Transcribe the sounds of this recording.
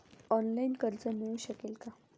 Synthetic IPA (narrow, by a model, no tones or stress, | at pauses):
ɔnlainkəɾt͡səneuɕəkelka